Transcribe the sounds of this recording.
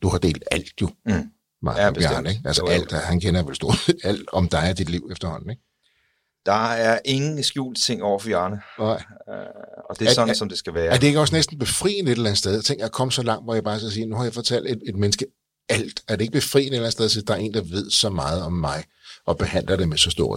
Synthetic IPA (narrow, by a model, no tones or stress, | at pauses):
d̥uhɑ̈d̥e̝̰ːld̥æl̰d̥jo̝ | mɑ̈ːɒmæɐnəeɡ̥ælsəʔæl̰d̥æhænkʰenɐʋelsd̥o̝ɐæl̰d̥ɒ̽md̥ɑ̈ɪɒd̥id̥liʊefd̥ɐhɒ̽n̰n̩eɡ̥ | d̥ɑ̈æɐʔe̝ŋn̩sɡ̥jṵːld̥t͡sʰe̝ŋ̰ɒʊ̰ɐfjæɐnənɑ̈ɪ̰ | ɒ̽d̥e̝sɒnsɒ̽md̥e̝sɡ̥æʋæːɐæd̥e̝e̝ɡ̥ɒ̽s̬nesd̥n̩b̥e̝fʁḭːne̝delæn̩sd̥eð̞ˠt͡sʰeŋ̰ɡ̥jɑ̈kʰɒ̽məsɒ̽lɑ̈ŋ̰d̥ʋɒjäɪb̥ɑ̈ːsæsiːnuhɑ̈jɪfɒ̽t͡sʰæl̰d̥ee̝d̥mensɡ̥ə | æl̰d̥æɐd̥ee̝ɡ̥əb̥e̝fʁḭːnelæn̩sd̥eðˠsid̥ɑ̈æɐe̝̰ːnd̥ɑ̈ʋe̝ð̞̰ˠsɒ̽mɑ̈ːð̞̩ˠɒ̽mːɑ̈ɪ | ʔɒ̽b̥e̝hæn̰lɐd̥emesɒ̽sd̥o̝ɐ̰